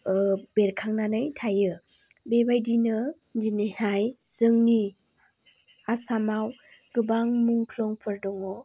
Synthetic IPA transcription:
beɾkʰaŋnanɯjtʰajɯ | bebajdinɯ | nd͡ʒinɯhajsɯŋni | asamaw | ɡ̥ɯbaŋmuŋpʰlɔŋpʰɯɾdɔŋɔ

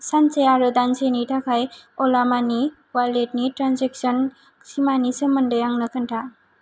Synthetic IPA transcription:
sant͡ʃejaɾɯdansenitʰakʰajɔlamani | walet̚nitɾansek̚sɔn | simanisɯməndəjaŋnɯkʰɯntʰa

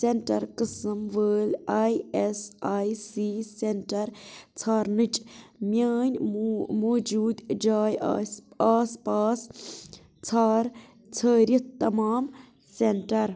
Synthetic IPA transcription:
seɳʈɐɾqɨsɨmʋəːlajesaːjsiseɳʈɐɾt͡sʰaːɾnɨt͡ʃʼmjaːnʲmoːd͡ʒuːd̪d͡ʒaːj | aːspaːs | t͡sʰaːɾ | t͡sʰəːɾʲit̪t̪ːɐmaːm | senʈɐɾ

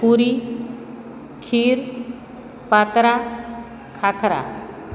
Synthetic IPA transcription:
puɾi | kʰiːɾ | pat̪ɾa | kʰakʰɾa̰

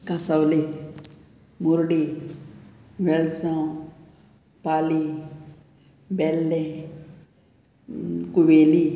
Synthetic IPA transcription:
kasawli | muɾɖi | ʋelsã | paːli | belːẽ | kuʋeːli

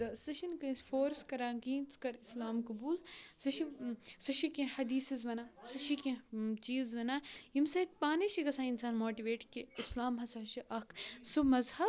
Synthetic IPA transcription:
ɐsɐʃɐnkɐfoːɾskɐɾaːɡĩːnt͡skɐɾislaːmkɐbuːlsɐʃisɐʃikẽhɐd̪iːsizʋɐnaːsɐʃikẽt͡ʃiːzʋɐnaːimsɐt̪̚paːneʃiɡɐsãːinsaːnmoːʈiʋeːʈkiislaːmɦɐsaːʃiʔɐkʰsumɐzhɐ

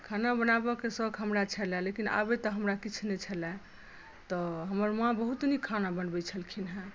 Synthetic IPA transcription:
kʰanabənabɔkesəɡɦəmɾat͡ʃʰəlɛ̃lekina̰bet̪ɔɦəmɾakit͡ʃʰnet͡ʃʰəlɛ̃ | t̪ɔɦəməɾmãbəɦut̪nikʰanabənbɛt͡ʃʰəlkʰinɦɛ̃

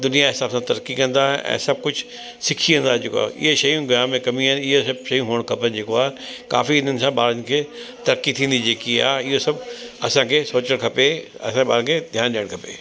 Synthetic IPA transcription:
d̪ʊnijaɦɪsaːbsãt̪ɐɾkːikɐ̃nd̪aɦʔɛ̰̃ːsɐb̚kʊd͡ʑʱ | sɪkʰiɐ̃nd̪aɦd͡ʑeːkoa̰ʔɪ̰ɦeʃɐjũɡjaːmmːẽkɐmĩanɪɦosɐb̚ʃɐjũɦuːəɽ̃kʰɐpənd͡ʑeːkoaːɦeka̰ːfiɪn̤ənɪ̆sãɓaːɾənɪ̆kʰeːt̪ɐɾəkːit̪ʰĩːn̆d̪id͡ʑeːkia̰ːɦɪɦosɐbɐsãkʰeːsoːt͡ɕəɽ̃kʰɐpeɐ̰sãɓa̰ːɾənkʰed̪ʱjaːnɗiːəɽ̃kʰɐpḛː

